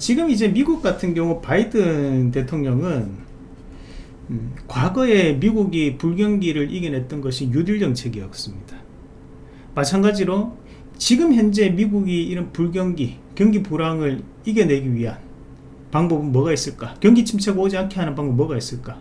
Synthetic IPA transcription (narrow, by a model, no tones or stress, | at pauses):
t͡ɕiɡɯmid͡ʑe̞miɡuk̚k͈atʰɯnɡjʌŋupaidɯnnnte̞tʰoŋɲʌŋɯn | kwaɡʌe̞miɡuɡipuɭɡjʌŋɡiɾɯɾʔiɡe̞nɦe̞t̚t͈ʌnɡʌɕʰijudiɭd͡ʑʌŋt͡ɕʰe̞ɡiɦʌɡos͈ɯmɲid̥a | mat͡ɕʰanɡad͡ʑiɾo | t͡ɕiɡɯmçjʌnd͡ʑe̞miɡuɡiiɾʌnpuɭɡjʌŋɡi | kjʌŋɡipuɾaŋɯɾ | iɡe̞ne̞ɡiɥiɦan | paŋbobɯnmwʌɡais͈ɯɭk͈akjʌŋɡit͡ɕʰimt͡ɕʰeɡaod͡ʑiankʰiɦanɯnpaŋbop̚mʌɡais͈ɯɭk͈a